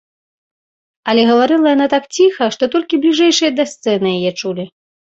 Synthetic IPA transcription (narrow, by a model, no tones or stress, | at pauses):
ɐlʲɛɣɐvaɾɨlˠɐjanat̪akt͡sʲixɐʂt̪ɔt̪ɔlʲkʲiblʲiʐɛjʂɨjɐd̪ɐst̪sɛnɨjajɛt͡ʂulʲi